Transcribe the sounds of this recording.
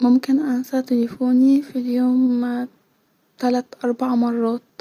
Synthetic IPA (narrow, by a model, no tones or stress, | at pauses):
mʊmkɪnʔansat̪ɪlifuːnifiljoːm | t̪alat̪ʔɑɾˤbaʕmɑrˤːɑːt̪̚